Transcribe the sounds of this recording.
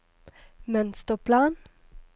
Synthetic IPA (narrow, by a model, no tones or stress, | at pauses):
mœnst̪ɔpʰlɑːn